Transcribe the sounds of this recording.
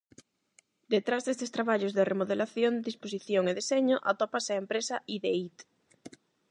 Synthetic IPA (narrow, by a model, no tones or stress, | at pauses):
d̪et̪ɾazðest̪est̪ɾaβaʎozðeremoðelaθjond̪eðisposiθjoŋeðiseɲoʔat̪opaseaempɾesaʔiðeit̪